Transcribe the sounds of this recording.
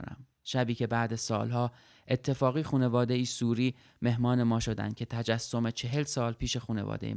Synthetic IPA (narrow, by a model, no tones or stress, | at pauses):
næ̰m | ʃæbiːcʰe̞bæːd̪æzsɒ̰ːlɦɒː | ʔe̞t̪ʰːe̞fɒːɣiːxuːne̞vɒːd̪e̞iːsuːɾiː | me̞ɦmɒːne̞mɒːʃo̞d̪æ̰n̥cʲʰe̞t̪ʰæd͡ʒæsːo̞me̞t͡ʃʰe̞ɦe̞lsɒːlpʰiːʃe̞xuːne̞̰vɒ̰ːd̪ḛ